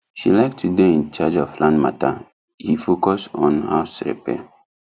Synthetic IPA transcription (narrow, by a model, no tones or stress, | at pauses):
ʃḭlaɪk̚tʰudeĩnt͡ʃad͡ʒɔflãndma̰tʰa̰ | hifokɔsɔ̃nha̰ʊsɹḭpɛ̰